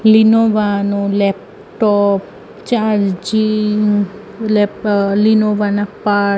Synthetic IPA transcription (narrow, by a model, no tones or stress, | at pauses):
linoʋanulɛp̚ | ʈɔp | t͡ʃaɾd͡ʒi | lɛlinoʋanapa